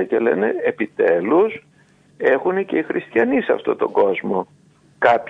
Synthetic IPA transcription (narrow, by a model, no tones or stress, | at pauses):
ce̞le̞̰ne̞epit̪e̞lus | e̞xunece̞ixɾʔist̪çɐnisɐ̰ft̪o̞t̪o̞ɡo̞zmo̞ | kɐp